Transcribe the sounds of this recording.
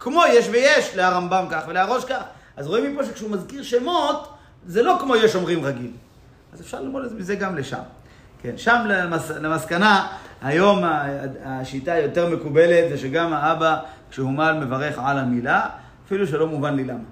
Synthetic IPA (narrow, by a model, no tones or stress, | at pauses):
kmo̞jeʃvejeʃleaʁambamkaχveleaʁo̞ʃkaχ | ʔazʁoimipo̞ʃekʃeumazkiʁʃemo̞t̪ | zelo̞kmo̞jeʃo̞mʁimʁaɡil | ʔazefʃaʁlimolezemizeɡamleʃa̰m | kenʃamlemaslemaskanahajo̞maaʃit̪ajo̞t̪e̞ʁme̞kube̞let̪zeʃeɡamaabakʃehumalme̞vaʁe̞χʕalamilaː | filuʃ̬elo̞muvanlilama